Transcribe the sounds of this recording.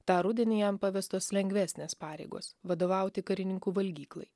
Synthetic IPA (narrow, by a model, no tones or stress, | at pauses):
t̪ɑːɾʊd̪ʲɪnʲɪjɛmpɐʋʲɛst̪oːslʲɛŋʲɡʲʋʲæːsʲnʲeːspɑːɾʲɛ̰ɪɡo̰ːsʋɐd̪oːʋɐˑʊt̪ʲɪkɐɾʲɪnʲɪŋkuːʋɐlʲɡʲiːklˠɐ̰ɪ